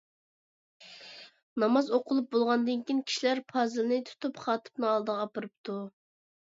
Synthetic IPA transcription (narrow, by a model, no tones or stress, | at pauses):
nɑmɑzoqʰʊlˠup̚bolˠʁɑnd̪ɨnkʲinkʲʰi̥ʃilæɾpʰɑzɨlnɨt̪ʰu̥t̪upχɑːt̪ʰɨ̥pnɨɑlˠd̪əʁɑpɨɾɨp̚t̪ʰu